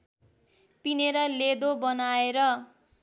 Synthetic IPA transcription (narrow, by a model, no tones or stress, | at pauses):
pineɾʌled̪obʌnaeɾʌ